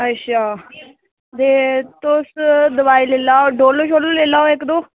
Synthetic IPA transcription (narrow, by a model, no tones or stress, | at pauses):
əʃʰaː | d̪eːt̪osd̪əʋaːiːleːlaːoɖoːloːʃoːloleːlaːoekd̪oː